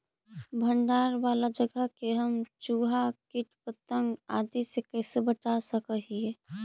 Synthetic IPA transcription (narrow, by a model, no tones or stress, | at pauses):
bʱəɳɖaːɾʋaːlad͡ʒəɡəɦkeɦəmt͡ʃuːɦakɪʈpət̪əŋɡa̰ːd̪isekɛːsebət͡ʃasəkəɦie